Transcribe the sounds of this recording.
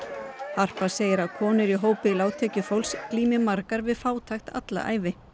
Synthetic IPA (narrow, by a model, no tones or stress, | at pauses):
har̥paseːjɪɾaðkʰɔːnɪɾiɦoːwpɪlaːwt̪ʰɛːcʏfowlskliːmɪmaɾkaɾvɪðfaːwt̪ʰajxt̪a̰t̪la̰ʔa̰ːjvɪ